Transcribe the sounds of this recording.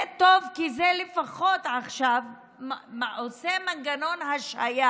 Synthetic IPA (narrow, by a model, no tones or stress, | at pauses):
t̪ovkizelefaχo̞t̪ʕaχʃav | maʔosemanɡano̞nhaʃa̰ja